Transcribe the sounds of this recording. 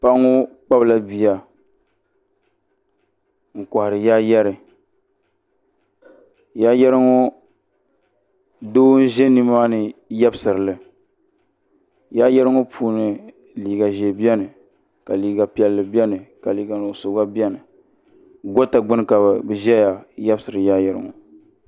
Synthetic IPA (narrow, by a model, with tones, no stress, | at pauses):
pa˦ŋːʊ˦k͡pa˦bla˦bi˨a˨ | ŋ̩˨ka˨hɪ˨ɾɨ˨ja˦jɛ˦ɾɨ˨ | jaː˦jɛ˦ɾɨ˦ŋo˦ | doː˦n̩˦ʒɛ˦ni˦ma˦nɨ˨jɛ˦bɨ˦sɨ˨ɾɨ˨lɨ˨ | ja˦jɛ˦ɾɨ˦ŋʊ˦pʰuː˦nɨ˨ | liː˨ɡa˨ʒɛ˨bi˦ɛ˦nɨ˨ | ka˨liː˨ɡa˨pi˦ɛ˨lːɨ˨bi˦ɛ˦nɨ˨ka˨liː˨˦ɡa˨n˨o˨so˨ɡa˦bi˦ɛ˦nɨ˨ | ɡɔ˦ta˨ɡ͡bɨ˦n˦ka˨bbɨ˨ʒɛ˦ja˨jɛ˦bsɨ˨ɾɨ˨jaː˦jɛ˨ɾɨ̰˦ŋʊ˨